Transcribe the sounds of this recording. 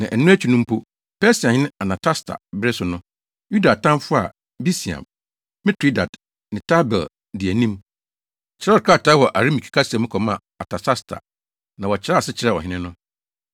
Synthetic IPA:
nã˨ʔɛ˨nʊ̃˦æ˦t͡ɕʰᶣi˨nũ˦m˦pʰo˦ | pɛ˦si˨ã˨hɪ˦nɪ̃˦a˨nã˨tʰa˦stʰa̰˨bɾɪ˦sʊ˨nʊ̃˦ | ju˦da˨tʰã˦m˦fʊ˦a̰˨ | bi˦si˨ã̰˨m | mɪ̃˦tʰi˦da̰˨d | nɪ̃˨tʰa˦bɛ̰˨l | dɪ˨æ˨nĩ˦m | t͡ɕʰɪ˨ɾɛ˦˨ka˦˨tʰaː˨˦wɔ˨ʔa˨ɾi˦mi˨kʰi̥˨kʰa˦sɛ̃˨mʊ̃˦kʰɔ˨mã˦˨ | a˨tʰa˨ta˦stʰa̰˨ | nã˨wɔ˨t͡ɕʰɪ˨˦a˦˨sɪ˦t͡ɕʰɪ˨ɾɛ˦˨ɔ˨ɦɪ̃˦nɪ̃˦nʊ̃˦

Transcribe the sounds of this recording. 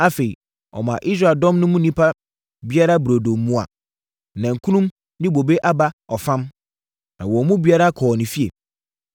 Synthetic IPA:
a˦fe˨i˨ | ɔ̰˨mã˨ʔi˦s̬ɾa˦˨ldɔ̃˦mnʊ̃˦mũ˦nĩ˦pʰa˦ | bi˦a˦ɾa˦bɾo˨do˨mː˦ũ˦a̰˨ | nã˨ŋ̩˨kʰũ˦nũ˦m | nɪ̃˦bo˨be˦ʔa˦ba˦ɔ˨fã˦m | nã˨wɔ˨mũ˦bi˨˦a˦ɾa˦kʰɔː˨nɪ̃˨fi˦e˨

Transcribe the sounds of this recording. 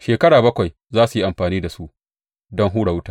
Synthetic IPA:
ʃeː˨kɐ˦ɽaː˨bɐ˦kʷa˨j | zaː˦su˨ji˦ʔa˨mɸaː˨niː˦da˨su˦ʔ | dɔ˦ŋɦuː˦ɽa˨wʊ˦taː˨

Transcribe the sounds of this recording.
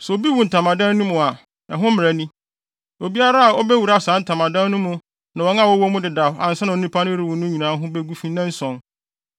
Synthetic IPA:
sɛ˨o˨bi˦wũ˨n̩˨tʰa˨mã˨dã˦nː˦ʊ̃˦mʊ̃˨a˨ | ɛ̃˨ɦʊ̃˦m̩ɪ˨ɾæ˨nĩ˦ | o˨bi˦a˦ɾa˦a˨ɔ˦bɛ˦wu˨ɾa˦sãː˨˦n̩˦tʰã˨mã˨dã˦n˦nʊ̃˦mʊ̃˨ | nã˨wɔ˨˦n˦ã˦˨wɔ˦wɔ˦mʊ̃˦dɪ˨da˨fa̰˨n̩˨sã˦nã˨˦nĩ˦pʰa˦nʊ̃˦ɾi˨wʊ̃˨nʊ̃˦ɲĩ˨nãː˨˦ɦʊ̃˦be˦ɡu˦fĩ˦nã˦n̩˦sɔ̃˨n

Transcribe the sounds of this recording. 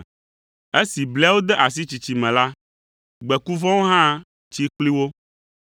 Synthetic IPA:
e˦si˨blɛ˦a˦wo˦d̪ɛ˦ʔa˨s̬i˦t͡ɕi˨t͡ɕi˨mɛ̃˨la˦ | ɡ͡bɛ˨ku˦vɔ̃˦wo˦ɦã˦ | t͡ɕi˦k͡pli˦wo˦

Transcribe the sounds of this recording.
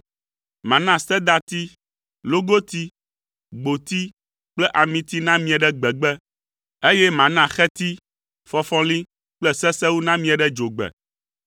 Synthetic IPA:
mã˨nã˦sɛ˦d̪a˦t̪i˦ | lo˦ɡo˦t̪i˦ | ɡ͡bo˨t̪i˦ | k͡plɛ˦ʔa˨mĩ˨t̪i˦nã˦mĩ˦a˨ɖɛ˦ɡ͡bɛ˨ɡ͡bɛ˦ | e˦jɛ˦mã˨nã˦xɛ˦t̪i˦ | fɔ˦fɔ̃˦li˦ | k͡plɛ˦sɛ˦sɛ˦wu˦nã˦mĩ˦a˨ɖɛ˦d͡ʒo˨ɡ͡bɛ̰˨

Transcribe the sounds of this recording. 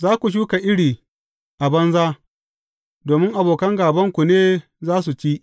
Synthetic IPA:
zaː˦kʷu˨ʃ̬uː˦ka˨ʔɪ˦ɽiː˨ | ʔa˨bɐ˦nzaː˦ | doː˨mɪ˦ŋʔa˨boː˨kɐ˦ŋɡaː˨bɐ˦ŋkʷu˨neː˦ | zaː˦s̬u˨t͡ʃiː˦ʔ

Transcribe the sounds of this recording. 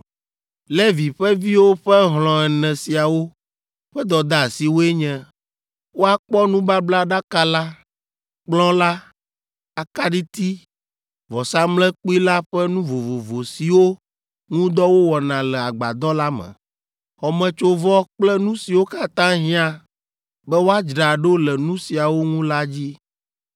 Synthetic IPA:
lɛ˦vi˨ɸɛ˦vi˦wo˦ɸɛ˦ɦlɔ̃˨ɛ˨nɛ̃˨si˨a˨wo˦ | ɸɛ˦d̪ɔ˨d̪a˦˨si˨wo˦e˦ɲɛ̃˦ | wo˦a˦k͡pɔ˦nũ˦ba˦bla˦ɖa˦ka˦la˦ | k͡plɔ̃˦la˦ | a˨ka˦ɖi˦t̪i˦ | vɔ˨sa˦mlɛ˦k͡pi˦la˦ɸɛ˦nũ˦vo˨vo˨vo˨si˨wo˦ | ŋũ˦d̪ɔ˦wo˦wɔ˨nã˨lɛ˨a˨ɡ͡ba˨d̪ɔ˦la˦mɛ̰̃˨ | xɔ˨mɛ̃˨t͡ʃo˦vɔ˦k͡plɛ˦nũ˦si˨wo˦ka˦t̪ã˦ɦĩ˦a˦ | bɛ˦wo˦a˦d͡ʒɖa˨ɖo˦lɛ˨nũ˦si˨a˨wo˦ŋũ˦la˦d͡ʑi˦

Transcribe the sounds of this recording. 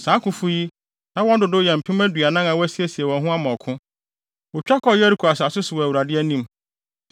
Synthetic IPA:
sãː˨˦kʰʊ̃˨fʊ˦ji˦ | nã˦wɔ̃˦dʊ˨dʊ˦jɛ˨m̩˨pʰɪ̃˦mæ˦dɥa˨nã˦ŋa˨wɔ˦æ˦si˦ɛ˨si˨ɛ˨wɔ̃˨ɦʊ̃˦a˦mɔ̃˨kʰʊ̃˦ | wʊ˨t͡ɕᶣa˦kʰɔ˦jɛ˦ɾi˦kʰu˨a˨sa˨sʊ˦sʊ˨wɔ˨æ˨wu˨ɾa˨dɪ˦æ˦nĩ˦m

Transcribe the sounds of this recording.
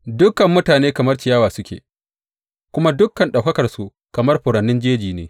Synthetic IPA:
dʊ˦kːɐ˨mːʊ˦taː˨neː˦kɐ˨mɐ˦rt͡ʃɪ˨jaː˦waː˨sʊ˦kʲḛː˨ | kʷʊ˦ma˦dʊ˦kːɐ˨nɗa˨wkɐ˦kɐ˨rsu˦ | kɐ˨mɐ˦rɸʊ˨ɾɐ˨nːɪ˦nd͡ʒeː˦d͡ʒiː˨neː˦

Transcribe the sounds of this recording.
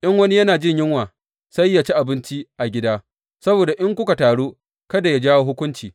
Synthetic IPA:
ʔɐ˦ŋwɐ˦ni˦jɐ˦naː˨d͡ʒɪ˦ɲjɪ˦ŋwaː˨ | sa˦jːa˨t͡ʃi˦ʔa˨bɪ˦nt͡ʃi˦ʔa˨ɡʲɪ˦daː˦ | sɐ˦boː˨da˨ʔɪ˦ŋkʷʊ˦ka˨taː˨ɽoː˦ | kɐ˦da˨ja˦d͡ʒaː˦wo˦ɦʊ˦kʷʊ˦nt͡ʃiː˨

